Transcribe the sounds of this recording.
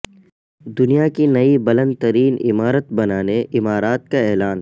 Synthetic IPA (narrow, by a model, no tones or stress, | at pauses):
d̪ʊnijakinɐibɐlə̃nd̪̚t̪əɾiːnɪ̰maːɾət̪bɐnaːneɪmaːɾaːt̪̚kaɛːlaːn